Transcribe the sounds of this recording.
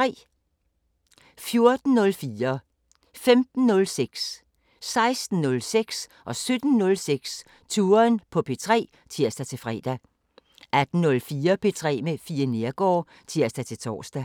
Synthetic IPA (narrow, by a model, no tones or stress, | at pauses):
t͡sʰʁɛ̰ː | fjo̝ɐd̥n̩nɔ̽lfiːɐ | femd̥n̩nɔ̽lseɡ̥s | sɑ̈ɪsd̥n̩ːɔ̽lseɡ̥sʔɒ̽sød̥n̩nɔ̽lseɡ̥s | t͡sʰuːɐnpʰɒ̽pʰe̝t͡sʰʁɛ̰ː | t͡sʰiɐ̰sd̥æt͡sʰe̝fʁɛ̰ːd̥æ | æd̥n̩nɔ̽lfiːɐpʰe̝t͡sʰʁɛ̰ːmefiːɐne̝ɐɡ̥ɒ̰ː | t͡sʰiɐ̰sd̥æt͡sʰe̝lt͡sʰɒ̰ːsd̥æ